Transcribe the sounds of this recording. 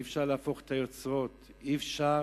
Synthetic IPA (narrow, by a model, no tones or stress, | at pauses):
fʃaʁlaːfo̞χet̪ajo̞t͡sʁo̞t̪ifʃa